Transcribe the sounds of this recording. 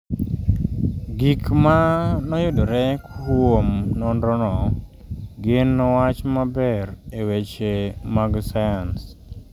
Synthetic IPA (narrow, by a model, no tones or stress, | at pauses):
ɡikmanɔjʊdoɾɛkomnɔndɔnɔ | ɡɪnːɔwat͡ʃmabɛrewet͡ʃemaɡsajans